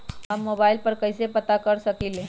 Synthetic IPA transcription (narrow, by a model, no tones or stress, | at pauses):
amːobailpəɾkəjsepət̪akəɾsəkile